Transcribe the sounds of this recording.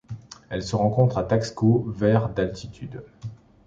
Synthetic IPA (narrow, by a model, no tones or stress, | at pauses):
ɛlsəʁɑ̃kɔ̃t̪χat̪akskovɛʁd̪alt̪ʰit̪ʰyd̪